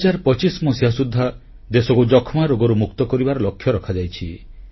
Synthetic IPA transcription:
d͡ʒaɾpɔt͡ʃismɔsiasud̪ʱːa | d̪esɔkud͡ʒɔkʰmaɾoɡɔɾumukt̪ɔkɔɾibaɾɔlɔkʰːjɔɾɔkʰad͡ʒajt͡ʃʰi

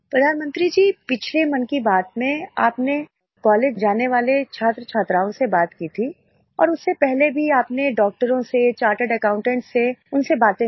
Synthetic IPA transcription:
pɾɐd̪ʱaːnmə̃nt̪ɾid͡ʒiːpɪt͡ʃʰlemɐnkibaːt̪mẽa̰ːpne | kɔːleːd͡ʒd͡ʒaːneʋaːlet͡ʃʰaːt̪ɾət͡ʃʰaːt̪ɾaːõsebaːt̪kiːt̪ʰi | ɔ̰ːɾʊsːepɛɦlebʱiaːpneɖɔːk̚ʈəɾõset͡ʃaːɾʈəɖɐkãːʊ̃ɳʈɛ̃ɳʈseʊnsebaːt̪ẽ

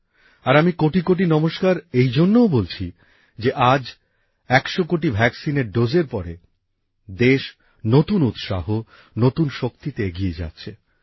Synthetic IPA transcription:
aɾamikoʈikoʈ̬inɔmoʃkaɾejd͡ʑonːowbolt͡ɕʰi | d͡ʑeʔad͡ʑ | ɛkʃokoʈ̬ibʱɛksineɾɖozeɾpɔɾḛ | d̪eʃ | not̪unut̪ʃa̰ɦo | not̪unʃok̚t̪it̪eeɡied͡ʑa̰t̪ːɕʰe

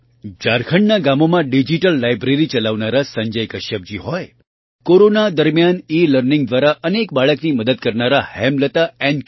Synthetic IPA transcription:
d͡ʒaɾkʰəɳnaɡamomãɖid͡ʒiʈəlːajbɾeɾit͡ʃəlaʋnaɾasə̃ɲd͡ʒəjkəʃəb̚d͡ʒiɦɔj | koɾonad̪əɾmjaniləɾnĩŋɡd̪ʋaɾaʔənek̚baɭəkniməd̪əd̪̚kəɾnaɾahɛmlət̪aɛn

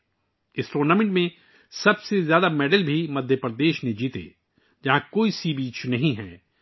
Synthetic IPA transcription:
ɪsɾoːnaːmɪ̃ɳʈmẽ | sɐbsezjaːd̪ameːɖəlbʱimɐd̪ʱjəpɾəd̪eːʃned͡ʒiːt̪ḛː | d͡ʒɐɦãkoːisiːbiːt͡ʃʰnɐɦĩɦɛː

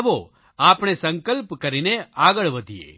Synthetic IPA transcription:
ʋo | apɳ̃esə̃ŋkəlpkəɾineaɡəɭʋəd̪ʱiḛ

